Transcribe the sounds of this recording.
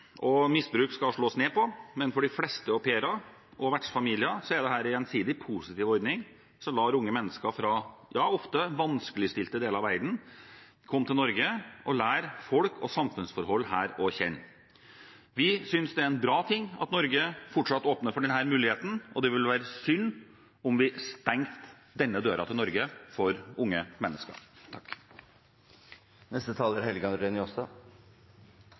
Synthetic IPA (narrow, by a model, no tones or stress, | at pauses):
ʔɔmɪsbɾʉːkskɑʂɭoːsneːpɔmɛnfɔɖɪflɛst̪əɔpʰeːɾɑ | ʔɔʋæʈʂfɑmiːlɪəsɔɛd̪ɛɦæːɾɪɛnsiːd̪ɪpʰuːsɪt̪iːʋɔɾd̪nɪŋ | sɔmlɑːɾʊŋːəmɛnːəskəfɾɑjɑːɔft̪əʋɑnskəlɪst̪ɪlt̪əd̪eːləɾɑʋæɪd̪n̩ | kʰɔmːt̪ʰɪlnɔɾɡəʔɔlæːɾfɔlkʰɔ̰sɑmfʉnsfɔɾhɔlːhæːɾɔçɛ̰nː | ʋɪsʏnsd̪ɛæɛnbɾɑːt̪ʰɪŋːɑ̰t̪nɔɾɡəfɔʈʂɑt̪ːoːpnəɾfɔɖɛnɦæːɾmʉːlɪheːt̪n̩ʔɔd̪ɛʋɪlʋæːɾəsʏnː | ɔmʋɪst̪ɛŋt̪ | d̪ɛnːəd̪øːɾɑt̪ʰɪlnɔɾɡəfɔɾʊŋːəmɛnːəskɑ̰t̪ʰɑkː | nɛst̪ət̪ʰɑːlæɾhɛlɡɑnd̪ɾɛnɪɔsd̪ɑ